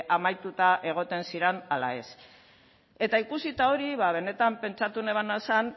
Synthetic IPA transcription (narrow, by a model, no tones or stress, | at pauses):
ʔamajt̪ut̪aʔe̞ɣ̞o̞t̪e̞nsiɾenalae̞s | e̞t̪aikusit̪ao̞ɾiβaβ̞e̞ne̞t̪ampe̞nt͡ʃat̪uneβanasan